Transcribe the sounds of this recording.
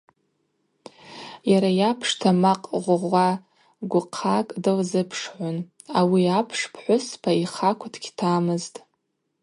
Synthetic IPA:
jaɾajapʰʂtʰamaqʼʁʷʁʷa | ɡʷʊqʰakʼdɨlzɨpʰʂʕʷʊn | awiapʰʂpʰħʷʊspʰaiχakʷʰʊtʰɡʲtʰaːmɨztʼ

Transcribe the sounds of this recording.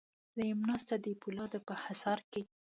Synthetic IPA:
lajɪmnɑst̪ad̪əpulɑd̪əpəhasɑɾke

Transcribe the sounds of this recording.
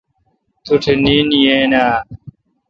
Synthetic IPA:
t̪uʈʰeniːnijeːnaː

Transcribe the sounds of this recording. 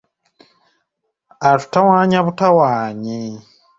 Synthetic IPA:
atu̥tawaːɲaβutawaːɲi

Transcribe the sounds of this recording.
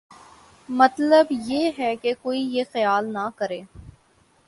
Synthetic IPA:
mɐt̪ləbjeːɦɛkekoːijexɐjaːlnakɐɾeː

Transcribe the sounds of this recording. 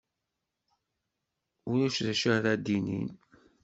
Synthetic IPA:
ʊɾæʃðæʃəɾæd̪inḭn

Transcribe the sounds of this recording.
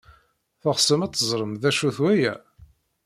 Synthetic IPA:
θəʁsəmæt͡s̪ːəzˤɾˤəmðæʃuθwæjæ

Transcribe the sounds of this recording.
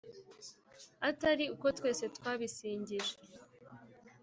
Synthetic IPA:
ataɾiuko̞twe̞ːse̞tkwaːβisiːɲɟiʒe

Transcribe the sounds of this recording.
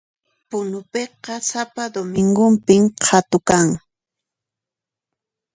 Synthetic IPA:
pʊnʊpeqɑsapad̪omɪŋɡʊmpɪmqʰat̪ʊkaŋ

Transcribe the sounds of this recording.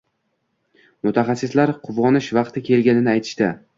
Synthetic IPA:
mʊt̪ʰaχɑsːɪslaɾqʰʊvɒnɪʃvɑqt̪ʰɪkʲʰe̞lɡʲanɪnɪajt̪ʰɪ̥ʃt̪ɪ

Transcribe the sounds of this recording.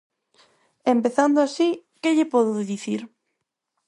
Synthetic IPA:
empeθand̪oasikeʎepoðoðiθiɾ

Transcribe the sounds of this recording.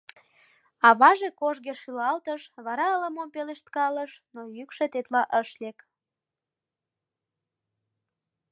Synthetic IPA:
ɑβɑʒekoʒɣeʃylɑlt̪əʃβɑɾɑələmompeleʃt̪̚kɑləʃnojykʃet̪et̪lɑʔəʃlek

